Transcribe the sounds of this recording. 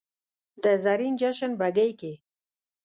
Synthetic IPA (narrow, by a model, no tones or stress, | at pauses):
d̪əzaɾind͡ʒaʃənbaɡejke